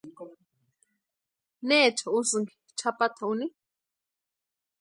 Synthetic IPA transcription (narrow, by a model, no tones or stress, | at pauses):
neːt͡ʃʰausɨŋɡi̥ | t͡ʃʰapat̪ʰauni